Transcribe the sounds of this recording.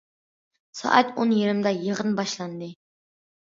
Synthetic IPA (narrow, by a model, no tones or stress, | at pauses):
sɑ̰ʔɑt̪onjiɾɪmd̪ɑjəʁənbɑʃlˠɑnd̪ɨ